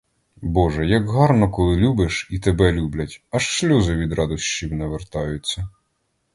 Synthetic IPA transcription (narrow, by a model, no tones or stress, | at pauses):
bɔʒɛjɐɡɦɑrnɔkɔlˠɪlʲubɪʃit̪ebɛlʲublʲɐtʲɐʃʃlʲuzɔʋʲid̪ɾɑd̪ɔʃt͡ʃiwnɛʋert̪ɑjʊt͡sʲːɐ